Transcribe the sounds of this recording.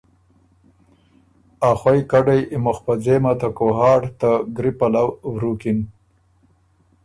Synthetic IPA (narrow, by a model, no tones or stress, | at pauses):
axwajkaɖajimoxpad͡zemat̪akoɦɑːʈt̪aɡɾipalawwɾukin